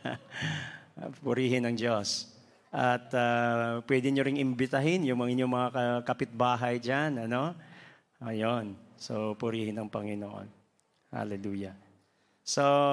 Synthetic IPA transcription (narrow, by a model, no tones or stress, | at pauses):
pʊɾiːɦɪnɐŋd͡ʒos | ʔɐt̪apwɛːd̪ɪɲoɾɪŋʔɪmbɪt̪ɐɦɪnjʊŋmɐŋɪɲjoŋmɐŋakɐkɐpɪt̪̚baːɦɐjd͡ʒanɐno̞ | ʔojonsopʊɾiːhɪnɐŋpɐŋɪnoʔo̰n | ha̰lɛluːja | so